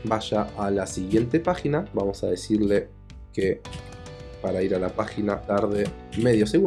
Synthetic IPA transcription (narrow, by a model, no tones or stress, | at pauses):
baʃaʔːlasiɣje̞nt̪e̞paxinabamo̞saðe̞siɾle̞ | ke | paɾaiɾalapaxinat̪aɾðe̞me̞ðjo̞seɣu